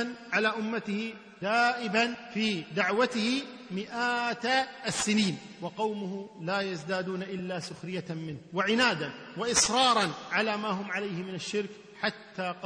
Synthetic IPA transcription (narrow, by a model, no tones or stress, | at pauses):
nʕalaːʔʊmːat̪ɪhɪ | d̪aːʔɪbanfiːd̪aʕwat̪ɪhɪmɪʔaːt̪asːɪniːn | wɑqɑwmʊhʊlaːjazd̪aːd̪uːnaʔɪlːaːsʊxɾɪjamɪnwɪʕɪnaːd̪anwɪʔɪsɾˤɑːɾˤɑnʕalaːmaːɦʊmʕalajhɪmɪnaʃːɪɾk | ħat̪ːaːq